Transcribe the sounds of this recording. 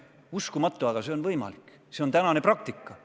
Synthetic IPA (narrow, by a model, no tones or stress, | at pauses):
uskumɑt̪ːˑuɑɡ̥ɑse̞o̞nvɤjmɑ̰lik | se̞ont̪ænɑne̞prɑk̚t̪ikːɑ